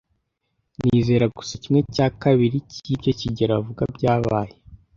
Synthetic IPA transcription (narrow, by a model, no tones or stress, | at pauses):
niːze̞ːɾaɡu̥sacimŋe̞caːkaβiɾicibɟeciɟeɾavuɡabɟaːβaːje